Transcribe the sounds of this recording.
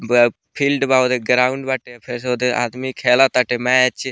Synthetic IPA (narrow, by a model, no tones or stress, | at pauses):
pʰiːlɖbaːod̪eɡɾaːuɳɖbaʈepʰeɾs̬od̪ea̰ːd̪mikʰeːlat̪aʈemɛt͡ʃ